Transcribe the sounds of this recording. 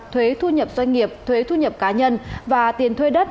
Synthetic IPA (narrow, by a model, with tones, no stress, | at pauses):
t̪ʰwe˨˦t̪ʰu˧ɲə˨˩p̚zwa˧ŋ̟ŋi˨˩əp̚t̪ʰwe˨˦t̪ʰu˧ɲə˨˩p̚kaː˨˦ɲə˧nvaː˨˩t̪i˨˩ənt̪ʰwe˧ɗə˦˥t̚